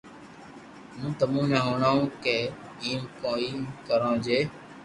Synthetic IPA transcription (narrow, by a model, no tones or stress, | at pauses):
mũːt̪əmũːnəɦoːɳaːũːkeː | iːmkõːiːmkəɾãːd͡ʒeː